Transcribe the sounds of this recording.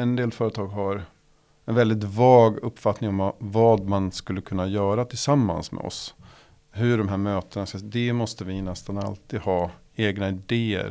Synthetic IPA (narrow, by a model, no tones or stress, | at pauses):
ɛnd̪eːlfœːɾət̪ʰɑːɡɦaɾ | ɛnvɛld̪ɪt̪̬vɑːɡɵpːfat̪nɪŋɔmvɑːd̪manskɵlːəkʰɵnːajœːɾat̪ʰɪlsamːa̰nsmɛ̰ɔ̰s | ɦɵɖɔmɦæːɾmøːt̪ənaskad̪ɛmɔst̪əvɪnɛst̪analt̪iːd̪hɑː | eːɡnaɪd̪eːə̰ɾ